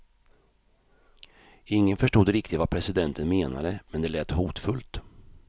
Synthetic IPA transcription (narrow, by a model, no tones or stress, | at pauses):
ɪŋːənfœʂʈuːd̪ɾɪkt̪ɪt̪vapʰɾɛsɪd̪ɛnt̪ʰənmeːna̰d̪əmɛnd̪ɛlɛːt̪huːt̪fɵlt̪